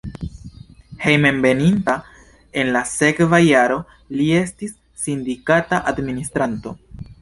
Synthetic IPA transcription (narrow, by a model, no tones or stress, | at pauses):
he̞jmenbe̞ninta | e̞nlase̞kvajaɾo̞ | lie̞stisːindikataʔadministɾanto̞̰